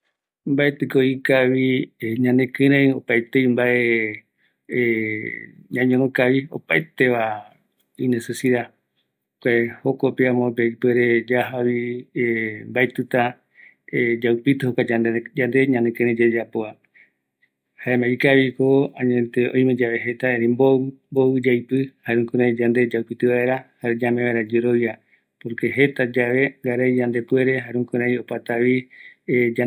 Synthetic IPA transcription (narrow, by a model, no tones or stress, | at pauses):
mbaet̪ɨkoikaβiɲãnẽkɨ̃ɾ̃ẽopaet̪eimbaʔe | ɲãɲõɾ̃õkaβio̰paet̪eβa | inesesiða | kʷaehokopeãmopeipeɾed͡ʒaɦaβiembaet̪ɨt̪a | ed͡ʒawpit̪ɨhokʷad͡ʒad͡ʒand̪e̞ɲãnekeɾ̃ẽd͡ʒed͡ʒapoa | haemãikaβikoãɲẽt̪eõ̰j̃med͡ʒaʋe̞ɦe̞t̪aeɾĩmbomboɨd͡ʒajpɨhaɾũŋkuɾãĩd͡ʒand̪e̞d͡ʒawpit̪ɨβae̞ɾahaɾed͡ʒamẽβaɾad͡ʒeɾoβja | poɾke̞ɦe̞t̪ad͡ʒaʋe̞ŋɡaɾajd͡ʒand̪e̞pweɾe̞ɦaɾũŋkuɾãjopat̪aβi | d͡ʒa